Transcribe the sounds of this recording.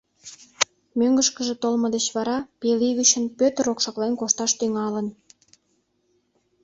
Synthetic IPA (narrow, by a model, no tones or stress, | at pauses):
møŋɡəʃkəʒĕt̪olməd̪et͡ɕβɑɾɑpeliɣyt͡ɕənpøt̪əɾokʃɑklenkoʃt̪ɑʃt̪yŋɑlən